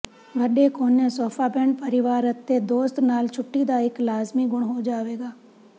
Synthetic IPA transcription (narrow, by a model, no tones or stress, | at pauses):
ʋəɗekʰoːneːsoːfʰaːbɛ̃ɳɖ̚pəɾɪʋaːɾət̪ːed̪oːst̪naːlt͡ʃʰʊʈːid̪aːɪklaːzmiːɡʊɽ̃ɦod͡ʒaːʋeːɡaː